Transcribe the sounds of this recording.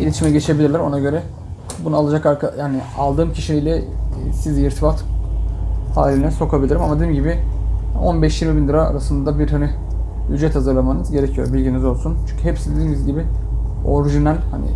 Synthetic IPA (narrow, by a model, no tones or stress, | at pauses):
ilʲit̪ʰimɛɟe̞t͡ʃʰe̞bilʲiɾlʲæɾo̞naɟø̞ɾɛ | bunalˠad͡ʒakaɾkʰajaːnɪalˠd̪ɯːmcʰiʃiijlʲɛsiziɾt̪ʰifat̪ | ha̰ːlʲinɛso̞kʰabilʲiɾimamad̪eimɟibɪʔo̞nbɛʃjiɾmibind̪ɯɾaa̰ɾasɯnd̪ad̪abiɾhani | yd͡ʒɛt̪hazɯɾlˠamanɯzɟe̞ɾecʰijo̞̰ɾbilʲɟinizo̞lˠsunt͡ʃʰyɲcʰyɦepsid̪ed̪immizɟibɪ | o̰ɾʒɯnænhanɪ̰